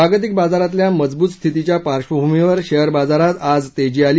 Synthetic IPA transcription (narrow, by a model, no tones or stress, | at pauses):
aɡət̪̬ik̚bad͡zaɾat̪̬ljaməd͡zbuːt̪st̪ʰit̪it͡ɕjapaɾɕʋəbʱumiʋəɾɕəɦəɾbad͡zaɾat̪ad͡zt̪ed͡ʑiːalː